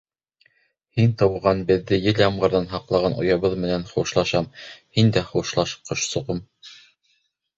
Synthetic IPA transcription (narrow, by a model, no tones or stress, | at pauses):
hint̪ɑwʁɑnbɘ̆ðːɘjɘlɑmʁɤ̆ɾðɑnɦɑqlˠɑʁɑnʔŏ̰jɑβɤðmɘ̆nænχuʃlˠɑʃɑmhind̪æχuʃlˠɑʃqɤ̆ʃsŏʁɤm